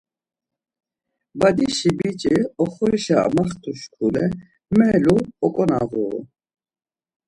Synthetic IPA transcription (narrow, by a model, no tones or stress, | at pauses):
bad̪iʃibit͡ʃʼiɔχɔɾiʃa̰maχt̪ʰuʃkʰulɛ | mɛluɔkʼɔna̰ɣṵ